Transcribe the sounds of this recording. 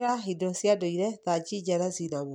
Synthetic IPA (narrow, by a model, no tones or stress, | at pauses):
aɦidɔsjadoiɾɛðad͡ʑid͡ʑaɾazinaβo